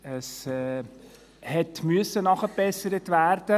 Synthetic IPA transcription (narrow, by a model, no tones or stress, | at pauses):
əsɛ | hɛtmʏəsənɑχəbɛsəɾətvæːɾd̥ə